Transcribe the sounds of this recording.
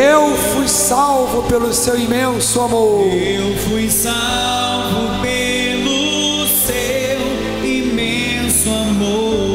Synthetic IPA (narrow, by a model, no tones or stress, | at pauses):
ewfujsawvʊpelʊsewimẽsʊamoɾewfujsa | wvʊpe | lʊ | s | ew | imẽ | sʊamo